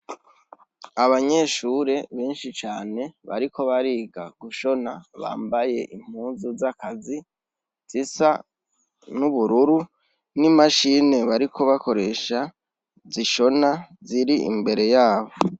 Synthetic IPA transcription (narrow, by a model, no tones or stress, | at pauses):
aβaɲe̞ːʃuːɾe̞βeːnʃit͡ʃaːne̞βa̰ɾikʰo̞βaɾiːɡa̰ɡ̥uʃo̞naβa̰ːmbaje̞ʔim̥huːnzuzakazi | z̥isa̰ | nuβuɾuɾu | nimaʃiːne̞βaɾikʰo̞βako̞ɾe̞ʃa | ziʃo̞naziɾiḭmbe̞ɾe̞jaːβo̞